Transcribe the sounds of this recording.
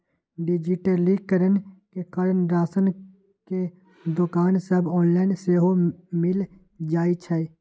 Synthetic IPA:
ɖɪd͡ʒɪʈəliːkːəɾənkekəɾənɾaːsən | ke | d̪ʊkaːnsəbɔːnlaːɪnseːɦomɪl | d͡ʒaːit͡ʃʰɛe

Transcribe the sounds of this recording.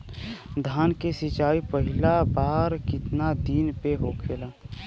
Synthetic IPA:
d̪ʱaːnkesɪt͡ʃaːipəɦɪlabaːɾkɪt̪nad̪iːnpeɦoːkʰelaː

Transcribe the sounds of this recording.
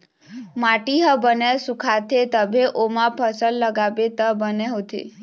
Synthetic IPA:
maʈiɦəbənesukʰat̪ʰet̪əbʱeʔomãpʰəsəlːəɡabet̪əbəneɦot̪ʰḛ

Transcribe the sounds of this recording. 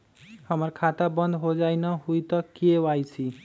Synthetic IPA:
hʌmʌɾkʰat̪abʌnd̪ʱɦod͡zajnʌɦujt̪ʌkeajt͡sʰi

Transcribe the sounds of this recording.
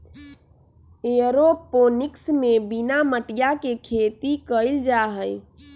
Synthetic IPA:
eɾoponɪksmebinaməʈijakekʰet̪ikəɪld͡ʒaɦəj

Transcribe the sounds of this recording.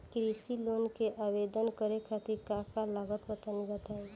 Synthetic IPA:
kɾisiloːnkeʔabed̪ənkəɾekʰat̪iɾkakalaːɡət̪pət̪ənibət̪aːẽ

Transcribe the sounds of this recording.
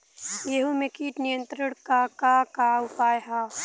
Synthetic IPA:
jeɦumekiːʈnijə̃nt̪ɾəɽ̃kakakaʊpaːjɦa

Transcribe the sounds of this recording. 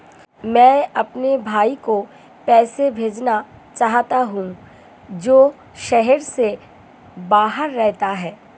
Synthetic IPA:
mɛ̃ːɐpnebʱaːiko | pɛːsebʱeːd͡ʒna | t͡ʃaːɦt̪aɦũ | d͡ʒoː | ʃɛɦɛɾse | baːɦəɾːɛɦt̪aɦɛː

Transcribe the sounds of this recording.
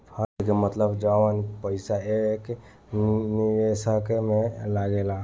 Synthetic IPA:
pʰəɾkemət̪ləbd͡ʒawənpəɪsaek | niʋesəkmelaɡela

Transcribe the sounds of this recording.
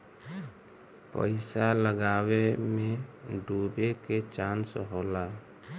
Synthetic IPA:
pə̰ɪsaləɡawemẽɖubeket͡ʃansɦoːla

